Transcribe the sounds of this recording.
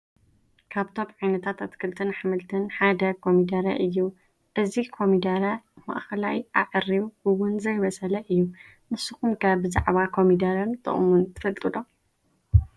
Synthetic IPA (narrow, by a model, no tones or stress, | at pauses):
kʰaβt̪ʰo̞mʕajnɐt̪ʰat̪ɐt̪kʰɨlt̪ʰɨnħɨmɨlt̪ʰɐnħad̪ɐkʰomid̪ɐɾɐ̰ʔɨjːu | ʔɨzikʰo̞mid̪ɐɾɐma̰ʔxɐlajʔaʕɨriβɨwʊnzɐjβɐsʼɐlɐʔɨjːu | mɨsɨxumkʰabɨza̰ʕβakʰo̞mid̪ɐɾɐnt̪ʼɨ̰χʼmunt̪ʰɨ̥fɐlt̪ʼɨlo